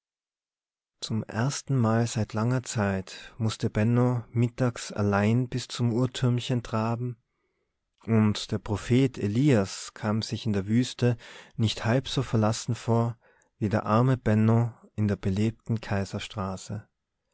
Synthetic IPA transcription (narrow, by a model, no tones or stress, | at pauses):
t͡sʊmʔḛɐstn̩maːlzaɪtʰlaŋɐt͡saɪtmʊstəbɛnɔ̃mɪtaːksa̰laɪnbɪst͡sʊmuːɐtʰʏɐmçəntʁ̥aːbm̩ | ʔʊntd̥eːɐpʁ̥ofeːtʰeliːaskʰaːmz̥ɪçɪndeːɐvyːstənɪçthalpz̥oːfɛɐlasn̩foːɐ | viːdeːɐʔaɐməbɛnɔ̃ʔɪndeːɐbəleːp̚tn̩kʰaɪzɐʃtʁ̥aːsə